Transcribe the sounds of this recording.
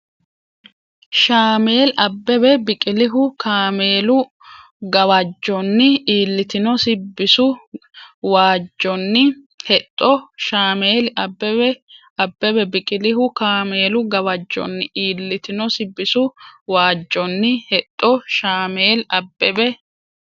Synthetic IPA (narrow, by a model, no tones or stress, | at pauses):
ʃaːme̞ːlɐbːɛbɛbɪkʼɪlɪɦʊkʰaːmeːlʊ | ɡɐwɐd͡ʒːɔnːɪiːlːɪt̪ɪnɔsɪbːɪsʊ | waːd͡ʒːɔnːɪ | hɛt̪ʼːɔʃaːmeːlɐbːɛɛ | ɐbːɛbɛbɪkʼɪlɪhʊkaːme̞ːlʊɡɐwɐd͡ʒːɔ̰nːɪʔiːlːɪt̪ɪnɔsɪbːɪsʊwaːd͡ʒːɔnːɪhɛt̪ʼːɔʃaːme̞ːlɐbːɛbɛ